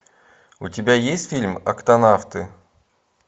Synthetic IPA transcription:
ʊtʲɪbʲajesʲtʲfʲilʲmɐ̰kt̪ɐnaft̪ɨ

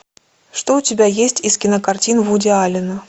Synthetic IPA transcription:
ʂt̪oʊtʲɪbʲajesʲtʲiskʲɪnəkart͡sʲinvudʲɪalʲɪnɐ

